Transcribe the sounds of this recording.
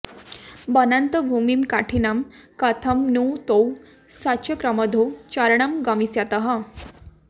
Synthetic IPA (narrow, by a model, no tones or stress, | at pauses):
bənant̪əbʱumimkaʈʰinamkat̪ʰəmnut̪ow | saɕəkɾaməd̪ʱot͡ɕaɾɳamɡamisjat̪əɦa